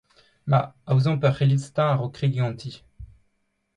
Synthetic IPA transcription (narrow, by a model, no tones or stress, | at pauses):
maawzɔ̃pɛʁχilist̪ãʁɔkχiɡiɑ̃t̪ʰi